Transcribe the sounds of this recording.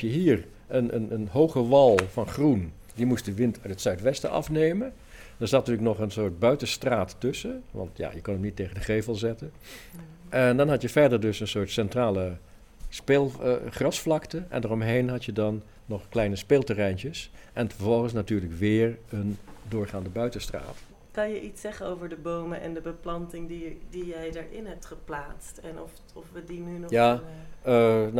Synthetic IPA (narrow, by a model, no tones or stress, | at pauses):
jəɦiːr | ʔənənənɦowχəʋɑlˠvɑnχrun | dimust̚dəʋɪntʰœɥtətsœɥtʋɛstə̰ʔɑ̰fnejmən | dɑɹz̥atətyləknɔχənsʊːɹt̚bœɥtəstraːtːɵsəʋɑ̰ntja̰ːjəkɔnəmnitːejχəndəχejvəlˠzɛtən | ʔɛndɑnɦɑtjəvɛɹdəɹdɵsənsʊːɹtsɛntraːlə | speːlˠχrɑsflɑktəʔɛ̰ndarɔmɦejnɦɑtjədɑnː | ɔχklɛjnəspeːlˠtərɛjntjəsʔɛnfəɹvɔlˠχəns̬natyːɹləkʋɪːɹəndʊːɹχaːndəbœɥtəstra̰ːt | kɑnjəʔitsɛχənowvəɹdəbowməʔɛ̰ndəbəplɑntɪŋdidijɛjdəɹɪnɦɛp̚tχəplaːtstɛnɔf | ɔfʋədinynja | n